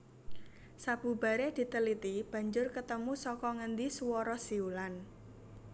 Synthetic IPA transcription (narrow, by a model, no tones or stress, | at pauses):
sab̥ṳb̥a̤ɾed̪̥i̤t̪əlit̪ib̥ä̤ɲd͡ʒʊrkət̪əmusɔkɔŋənd̪iswɔɾɔsiulan